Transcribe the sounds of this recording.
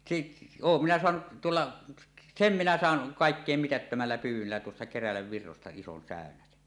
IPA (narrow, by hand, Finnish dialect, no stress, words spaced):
sit oːm minæ soɑnuʔ tuolːɑ sem minæ sɑˑen kɑˑekːeˑim mitætːømælːæ pyːwˑølːæ tuosːɑ kerælæʋːirːostɑ ison sæˑønæsen